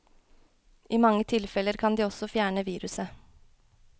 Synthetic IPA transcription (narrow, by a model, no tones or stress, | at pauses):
ʔiːmɑŋːət̪ʰɪlfɛləɾkʰɑnd̪iːɔsɔfjæːɳəʋiːɾʉsə